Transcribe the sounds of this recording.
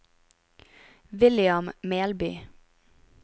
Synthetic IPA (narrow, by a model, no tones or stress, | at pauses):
ʋɪlɪɑmmeːlby̰ː